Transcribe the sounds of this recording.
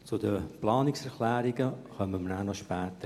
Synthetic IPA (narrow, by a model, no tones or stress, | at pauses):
t͡sudəplɑːnɪksɛɾkʰlæːɾɪɡəχœməmənænɔʃpɛːtə